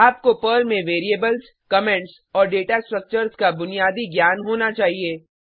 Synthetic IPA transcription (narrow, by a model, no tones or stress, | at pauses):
aːp̚kopəɾmẽʋeːɾieːbəls | kɐmɛ̃ɳʈs | ɔːɾɖeːʈasʈɾɐk̚t͡ʃəɾskabʊnijaːd̪iɡjaːnɦoːnat͡ʃaːɦieː